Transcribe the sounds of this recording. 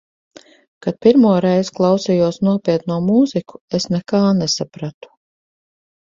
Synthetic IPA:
kad̪̚piɾmuɔɾɛjzklˠawsɛjuɔsnuɔpʲiɛt̪nuɔmuːziku̥esnɛkaːnesapɾat̪u̥

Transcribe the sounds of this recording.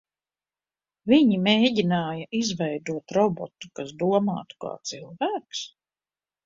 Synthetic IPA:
viɲimeːɟinaːjɐʔizvɛjd̪uɔt̪ɾɔbɔ̰t̪u̥kasd̪uɔma̰ːt̪u̥ka̰ːt̪silˠvæːks

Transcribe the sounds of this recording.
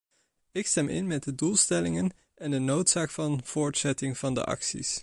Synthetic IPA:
ɪkstɛmɪ̰nmɛt̚dədulˠstɛlɪŋən | ɛndənowtsaːkfɑnv̥ʊːɹtsɛtɪŋv̥ɑndə̰ʔɑ̰ksḭs

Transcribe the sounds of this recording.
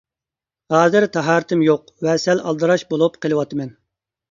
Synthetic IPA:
hɑːzɨɾt̪ʰɛɦɑːɾɨt̪ʰɪmjoq | vɛsɛlɑlˠd̪ɨɾɑʃbolˠupqʰəlˠɨwɑt̪ɨmɛn

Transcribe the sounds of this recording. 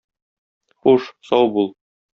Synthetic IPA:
χuʃsɒwbulˠ

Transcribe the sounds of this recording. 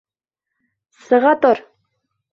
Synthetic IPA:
sɤ̆ʁɑt̪oɾ

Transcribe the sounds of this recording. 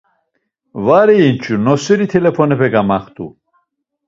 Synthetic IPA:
vaɾɛːnt͡ʃʰunɔsiɾit̪ʰɛlɛpʰɔnɛpʰɛɡamaχt̪ʰʼṵ

